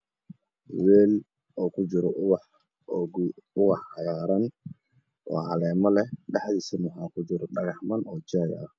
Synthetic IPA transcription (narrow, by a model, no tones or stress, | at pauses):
weːl | ɔkud͡ʒuɾɔʔwa | ɡuwahajaɾan | wa̰halɛmalɛɗaħdisimuɦakud͡ʒuɾɔɗaɡahmanɔd͡ʒaja̰a